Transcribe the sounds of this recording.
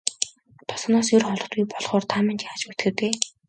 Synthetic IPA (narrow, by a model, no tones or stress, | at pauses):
t̪ʰʊ̥s̆nɔːsjɵrχɔɮɞ̆t̪ɡujpɔɮχɔːrt̪ʰamɪ̆nt͡ɕjaːt͡ɕut̪ɡɘ̆t̪eː